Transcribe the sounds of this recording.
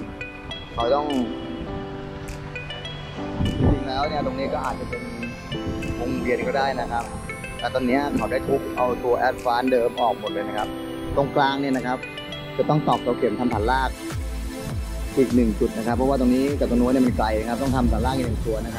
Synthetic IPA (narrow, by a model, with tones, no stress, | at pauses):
kʰa˨˩˦wt̪ɔ˥˩ŋ˧ | t͡ɕi˧ŋlɛː˦˥wni˥˩ɐt̪o˧ŋniː˦˥kɔː˥˩ʔaː˨˩t̪̚t͡ɕa˨˩pe˧n | wo˧ŋɾi˧ənkɔː˥˩daː˥˩jna˦˥kʰa˦˥p̚ | t̪ɛː˨˩t̪ɔː˧nːi˦˥ɐkʰa˨˦wda˥˩jt̪ʰu˦˥k̚ʔa˧wt̪u˧ɐʔɛː˦˥t̪̚faː˦˥ndɤː˧mʔɔː˨˩k̚mo˨˩t̪̚lɤː˧na˦˥kʰa˦˥p̚ | t̪o˧˩ŋkʰlaː˧˥ŋniː˥˩ɐna˦˥kʰa˦˥p̚ | t͡ɕa˧˩t̪ɔ˥˩ŋt̪ɔː˨˩k̚t̪u˧˦kʰi˨˩˦nt̪a˧mt̪ʰaː˨˩˦nlaː˥˩k̚ | ʔiː˨˩k̚nɯ˨˩ŋt͡ɕu˨˩t̪̚na˦kʰa˦˥pʰːɔ˦˥waː˥˩t̪o˧ŋniː˦˥t͡ɕaː˨˩ka˧nu˧˥ni˥˩ma˧nkla˧ja˧kʰa˦˥p̚t̪ɔ˥˩ŋt̪ʰa˧mt̪ʰɔː˨˩nlaː˥˩k̚jnɯ˨˩t̪u˧ɐna˦˥kʰa˦